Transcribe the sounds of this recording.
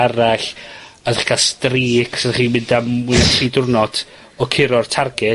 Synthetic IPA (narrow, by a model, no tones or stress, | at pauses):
aɾaɬadaχɡ̥astriːkʰsɛdχiːmɪndawɪnatʰiːdʊrnɔd | ɔkʰɪɾɔrtʰarɡɪ